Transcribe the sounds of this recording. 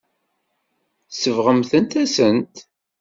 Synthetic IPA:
səvʁəmθənt̪æsənt̪

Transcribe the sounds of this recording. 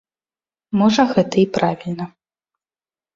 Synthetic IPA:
mɔʐɐɣɛt̪ɐipɾavʲilʲnɐ

